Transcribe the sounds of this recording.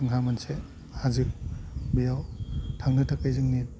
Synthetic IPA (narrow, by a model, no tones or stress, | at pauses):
ɯŋɦamɐnse | hazik̚bijawtʰaŋnɐtʰakajzɯŋni